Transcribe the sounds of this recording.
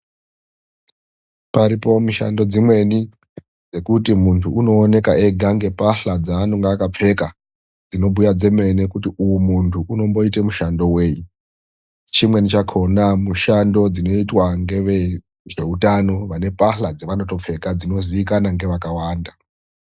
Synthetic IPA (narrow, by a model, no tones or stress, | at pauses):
paɾipo̞miʃa̰ndo̞d͡zimwe̞ni | d͡ze̞kutimuntʰuːno̞ːne̞kaʔe̞ɡʱaŋɡe̞paɬad͡zaːnoŋɡaːkap͡fe̞ka | d͡zino̞bʱujad͡ze̞me̞nekutiujumuntʰuʔuno̞mbo̞itemuʃando̞we̞ːji | t͡ʃimwe̞nit͡ʃakʰo̞namuʃando̞d͡zino̞itwaŋɡe̞ʋe | ʐe̞utano̞ʋane̞paɬad͡zeʋano̞to̞p͡fe̞kad͡zino̞ziikanaŋɡe̞ʋakawaːnda